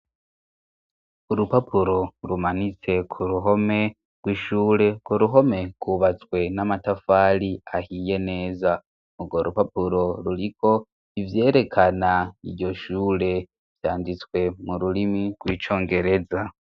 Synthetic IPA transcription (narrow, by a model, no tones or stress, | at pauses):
uɾupapʰuɾo̞ɾumanit͡se̞kʰuɾuɦo̞me̞ | ɡ̥ɡwiːʃuːɾe̞ɡ̥woɾuɦo̞me̞ɡ̥wuβat͡swe̞namatafaːliahiːje̞ne̞ːza | uɡwoɾupapuɾo̞ɾuɾikʰo̞ | ivje̞ːɾe̞kʰanaiɾɟo̞ʃuːɾe̞ | v̥jaːndit͡skwe̞muɾulimiɡ̥wiːt͡ʃo̞ːŋɡe̞ɾe̞za